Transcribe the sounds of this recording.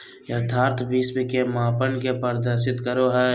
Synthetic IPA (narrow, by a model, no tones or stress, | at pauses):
jɐɾt̪ʰaːɾt̪ʰbiːsbikemaːpənkepəɾd̪əɾʃɪt̪kəɾoɦɛː